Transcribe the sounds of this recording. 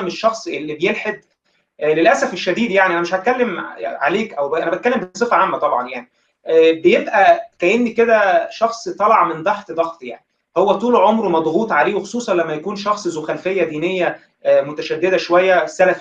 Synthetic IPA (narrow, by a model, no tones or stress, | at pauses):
meʃːɑxsˤʔelːibejelħed̪̚ | ʔlelʔæsæfeʃːæd̪iːd̪jaʕniʔænæmeʃhæt̪̚kælːemʕaleːkʔæwbʔænæbæt̪̚kælːembesˤefæʕamːæt̪ˤɑbʕɑnjaʕni | bejebʔækæʔenːiked̪æʃɑxsˤt̪ˤɑlɑʕmend̪ˤɑħt̪d̪ˤɑɣt̪ˤja̰ʕni | howːæt̪ˤuːlʕomɾmɑd̪ˤɣuːt̪ˤʕaleːwexo̥sˤuːsˤɑnlæmːæjækuːnʃɑxsˤzoxælfejːæd̪iːnejːæ | mot̪æʃæd̪ːed̪æʃowæjːæsːælæf